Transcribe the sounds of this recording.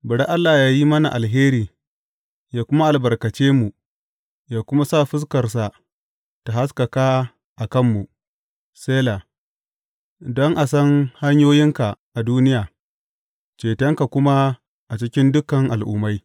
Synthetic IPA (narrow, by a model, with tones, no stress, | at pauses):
bʊ˨ɽa˦ʔa˦lːaː˨jaː˦ji˦mɐ˦na̰˨ʔa˨lɦeː˦ɾiː˨ | jaː˦kʷʊ˦ma˦ʔa˨lbɐ˨rkɐ˨t͡ʃeː˦mu˨ | jaː˦kʷʊ˦ma˦saː˦˨ɸɪ˦s̬kɐ˨rs̬a˨ | ta˨ha˦s̬kɐ˨kaː˦ | ʔa˨kɐ˦mːu˨ | seː˦la˨ | dɔ˦ŋʔa˨sɐ˦ŋha˦ɲjoː˦jɪ˦ŋka˨ʔa˨duː˦nɪ˦jaː˨ | t͡ʃeː˨tɛ˦ŋka˨kʷʊ˦ma˦ | ʔa˨t͡ʃɪ˦kʲɪ˦ndʊ˦kɐ˨ŋʔa̰˨lʔʊ̰˨ma˦j